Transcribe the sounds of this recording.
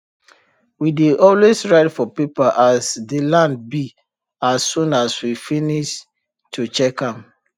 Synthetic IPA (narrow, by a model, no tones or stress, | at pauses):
wideʔɔlwesɹaɪtfɔpipaʔasdilãnd̚bi | asːũnaswifiniʃ | tʰut͡ʃɛkãm